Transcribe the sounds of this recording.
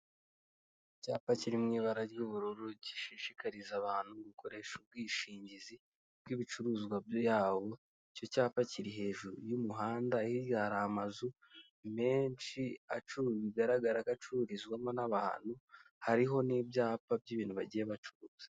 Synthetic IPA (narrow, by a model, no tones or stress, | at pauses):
caːpaciɾimŋiːβaɾaɾjuβuɾuɾuɟi̥ʃiʃikaɾizaβaːn̥huɡukʰo̞ɾe̞ːʃob̚ɡwiːʃiːɲɟizi | b̥̚ɡwiβit͡ʃuɾuːzɡwabjojaːβo̞ | co̞caːfaciɾiɦe̞ːʒuɾujumuɦaːndaihiɡaːɾaːmazu | me̞ːnʃiat͡ʃuɾβiɡaɾaɡaɾakat͡ʃuɾizɡwamonaβaːn̥hu | haɾiɦo̞nibjaːpab̚ɟiβiːn̥uβaɟije̞βat͡ʃuɾuːz̥ḁ